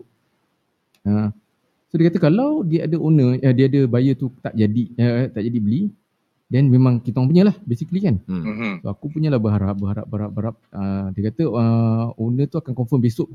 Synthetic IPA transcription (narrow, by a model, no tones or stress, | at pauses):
ə | sodajkat̪əkalawdiəadəonəədiəadəbajət̪ut̪aʔd͡ʒadiət̪aʔd͡ʒadibəli | dɛnmẽmãŋkit̪ŋpuɲəlahbesiklikansoakupuɲə̃lahbəɦaɾap̚bəɦaɾa̰p̚baɾap̚baɾap̚ədakat̪əəonə̃t̪uakankɔɱfəmbesʊʔ̚